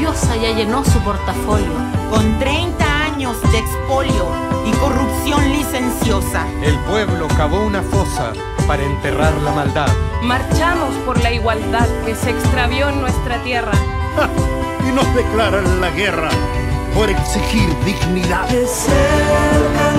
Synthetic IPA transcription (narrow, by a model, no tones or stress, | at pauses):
josajaʝeno̞sopo̞ɾt̪afo̞ljoko̞nt̪ɾejnt̪aaɲo̞zd̪ekspo̞ljo̞ | iko̞rupsjo̞nlise̞nsjo̞sa | elpwe̞βlo̞kaβo̞unafo̞sa̰ | paɾaent̪e̞raɾlamald̪aðmaɾt͡ʃamospo̞ɾlaiɣwald̪aðke̞seːkst̪ɾaβjo̞enːwest̪ɾat̪je̞ra | inozðeklaɾanlaɣerapo̞ɾe̞ksixiɾd̪iɣniðase